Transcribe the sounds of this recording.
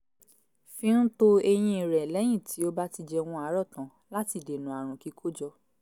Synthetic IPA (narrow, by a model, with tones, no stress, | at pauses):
fĩ˦n̩˦to˦e˧j̃ĩ˧˨ɾɛ˨lɛ˨˦j̃ĩ˦˨tʰi˨˦o˦ba˦ti˧d͡ʒɛ˧w̃ɔ̃˧a˨˦ɾɔ˦˨tã˨˦ | la˦ti˦˨de˨nũ˨a˨ɾ̃ũ˨ki˨˦kʰo˦d͡ʒɔ˧